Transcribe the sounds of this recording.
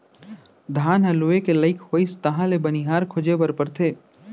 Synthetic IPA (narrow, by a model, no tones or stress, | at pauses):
d̪ʱaːnɦɐluekelɐɪkʰhoːist̪ɐɦãlebɐniɦaːɾkʰʊd͡ʒebɐɾpɐɾt̪ʰeː